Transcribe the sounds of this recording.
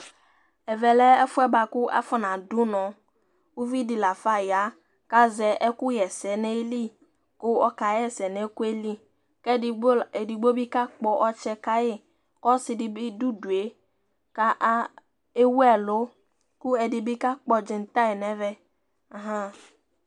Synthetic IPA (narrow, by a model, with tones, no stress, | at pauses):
ɛ˨vɛ˨lɛ˦ɛ˦fu˦ɛ˦ba˨ku˦ʔa̰˦fɔ˦nã˨du˦nɔ̃˨ | wu˦vi˦di˨la˨fa˦ja˨˦ | ka˦zɛ˨ʔɛ˦ku˦jɛ˨sɛ˨nɛ˦e˦li˦ | ko˦ɔ˦ka˨jɛ˨sɛ˨nɛ̃˨˦ku˦e˦li˦ | kɛ˦˨˦e˨di˨ɡ͡bo˦bi˦ka˦k͡pɔ˦ʔɔ˦t͡ʃɛ˦ka˦je˦ | kɔ˦si˨di˨bi˦du˦du˨e˨ | ka˦ʔ | e˦wu˦ɛ˨lo˦ | ku˦ɛ˨di˨bi˦ka˦k͡pɔ˦d͡ʒi˨n˨t̪a˦e˨nɛ̃˦vɛ˦˨ | ɦã˦